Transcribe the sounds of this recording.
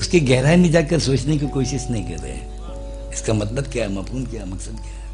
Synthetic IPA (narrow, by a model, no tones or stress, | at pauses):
ʊskeɡɛɦɾaːmĩd͡ʒaːkɐɾsoːt͡ʃnek̬ikoːʃɪʃnɐɦĩkɐ̰ɾːɐ̰ɦ | ɪskamɐt̪ləb̚kjaːɦɛmaːpʰuːnkjaːɦmɐksəd̪̚kjaːɦɛ